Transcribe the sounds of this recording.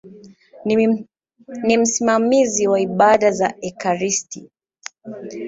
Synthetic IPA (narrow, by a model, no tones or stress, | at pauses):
nim̩simamiziwaiɓaɗazaɛkaɾisti